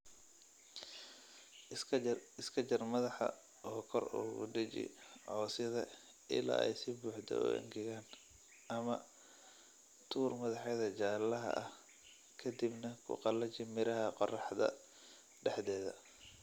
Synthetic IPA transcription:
ɪskʰɐt͡ʃɐrmɐðɑħɐ̰ | ɔːkʰɔruːɣʊ̰ɖɪt͡ʃɪ̰ʕɔːsɪðɐ | ʔɪla̰ːɛ̰jsɪbuːħd̪ʰɛ̰ʊ̰ʔɛ̰ŋɡʰɛɣaːn | ʔɐmɐ | t̪ʰuːrmɐðɑħjɐðɐt͡ʃaːlːɐɦɐ̰ʔɐh | kʰɐd̪ibnɐkʰʊ̰qɑlɐt͡ʃɪmɪɾɐɦɐqɔrɑħd̪ɐ̰ | ɖɛħðɛːðɐ̰

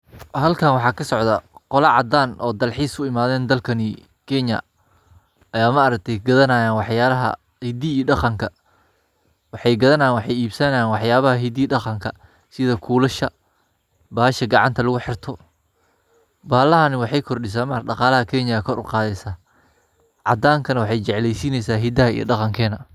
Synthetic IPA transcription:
hɐlkʰɐnwɑħɑːkʰɐsɔʕðɐqɔlɐʕɑd̪aːnʔɔːd̪ɐlħiːsʰʊɪmaːðɛːnd̪ɐlkʰɐnɪ | kʰɛɲɐ̰ | ɐjaːmɐːɾɐk̚t̪ʰɛjɡɐðɐnaːjaːnwɑħjaːɐɦɐ̰ | hid̪iɖɑqɑŋkʰɐ | wɑħɑjɡɐðɐnanwɑħɑjiːbsɐnɐjaːnwɑħjaːβɐɦɐɦid̪iːɖɑqɑŋkʰɐ | sɪðɐkʰuːlɐʃɐ | baːhɐʃɐɡɑʕɑnt̪ʰɐlʊɣʊħɪrt̪ʰɔ | baːlɐɦɐnɪwɑħɑjkʰɔrɗɪs̬aːmɐɖɑqɑːlɐɦɐkʰɛɲɐkʰɔɾʔʊ̰qɑːðɛsaː | ʕɑ̰d̪aːŋkʰɐnɐwɑħɑjt͡ʃɛʕlɛjsiːnɛjsaːɦid̪ɐɦɐḭjɔ̰ɖɑqɑŋkʰɛːnɐ

